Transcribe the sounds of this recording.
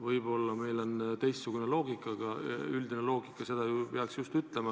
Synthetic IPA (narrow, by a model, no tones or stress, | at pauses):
vɯjbo̞lːɑme̞jlo̞nt̪e̞jst̪suɡ̥une̞lo̞ːɡikːˑɑɡ̥ɑyld̪ine̞lo̞ːɡikːˑɑse̞d̪̥ɑjupeɑksjust̪yt̪le̞mɑ